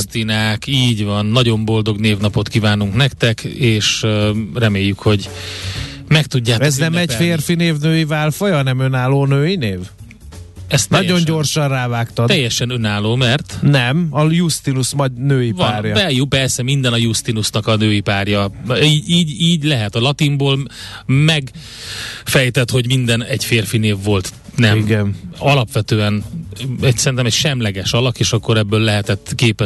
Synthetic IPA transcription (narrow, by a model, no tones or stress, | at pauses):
t̪inaːkiːɟvɒnːɒɟo̞mbo̞ld̪o̞ɡneːvnɒpo̞t̪kivaːnuŋknɛkt̪ɛkeːʃrɛmeːjːykho̞ɟ | mɛk̚t̪uɟːaːtɛznɛmɛcfeːrfineːvnøːjivaːlfojɒnɛmønaːloːnøːjineːv | ɛst̪nɔɟo̞ɲɲɟo̞rʃɒnraːvaːkt̪ɒjːɛʃɛnø̞naːloːmɛrt̪nɛmɒjust̪inusmɒɟnøːjivɒnːɾjbɛjupɛrsɛmind̪ɛnɒjust̪inusnɒkɒnøːjipaːrjɒiːiːɟiːɟlɛɦɛt̪ɒlɒt̪imboːlmɛɡ | fɛjt̪ɛt̪ho̞ɟmind̪ɛnɛɟfeːrfineːvːo̞lt̪ | nɛiɡɛnɒlɒpʋɛt̪øːɛnɛɟsɛɾint̪ɛmɛɟʃɛmlɛɡɛʃɒlɒkeːʃɒkːo̞ɾɛbːøːlːɛɦɛt̪ɛt̪ːkeːpɛ